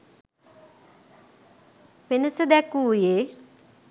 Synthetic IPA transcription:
penəsəd̪ɛkuːjeː

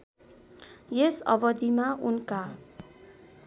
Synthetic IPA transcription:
jesʌ̰bʌd̪imaunka

